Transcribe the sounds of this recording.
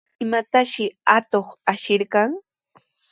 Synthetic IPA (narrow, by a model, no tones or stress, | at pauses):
ɪmat̪aʃɪat̪oχaʃɪɾkɑŋ